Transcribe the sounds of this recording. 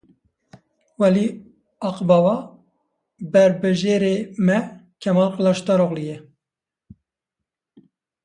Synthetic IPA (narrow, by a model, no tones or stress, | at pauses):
wɛli | ɑqbɑːwɑ | bɛɾbɨʒeɾemɛkʰɛmɑlqəlɑʃt̪ɑɾoɣlijɛ